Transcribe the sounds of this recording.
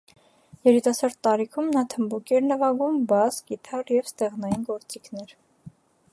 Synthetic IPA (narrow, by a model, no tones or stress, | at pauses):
jɛɾit̪ɑsɑɾt̪ːɑɾikʰumnɑt̪ʰəmbukiɛɾnəvɑɡumbɑzɡit̪ʰɑɾjɛvst̪ɛʁnɑjinɡɔɾt͡sikʰnɛɾ